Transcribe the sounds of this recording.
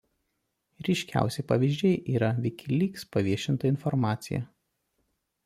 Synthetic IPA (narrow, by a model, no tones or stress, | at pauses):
ɾʲɪʃʲkʲæ̰ˑʊsʲɛɪpɐʋʲiːʒʲd͡ʒʲɛɪʔiːɾɐʋʲɛɪkʲʰɪlʲiːkspɐʋʲiɛʃʲɪnt̪ɐɪnfɔɾmɑːt̪sʲɪjɛ̰